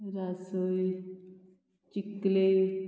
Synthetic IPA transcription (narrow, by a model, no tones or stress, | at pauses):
ɾasəj | t͡ʃikːle